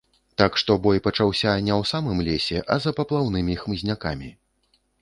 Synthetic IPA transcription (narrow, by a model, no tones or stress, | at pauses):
t̪akʂt̪ɔbɔjpɐt͡ʂawsʲɐnʲɛwsamɨmlʲesʲɛʔɐzɐpɐplˠawnɨmʲixmɨzʲnʲaka̰mʲi